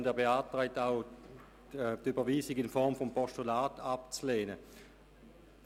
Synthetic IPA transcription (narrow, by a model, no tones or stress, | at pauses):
ndɛɐbeaːtʁɛɪtaʊ | dybɐviːsɪɡɪnfɔɐmfɔmpʰɔʃtulaːtʰapt͡sleːnə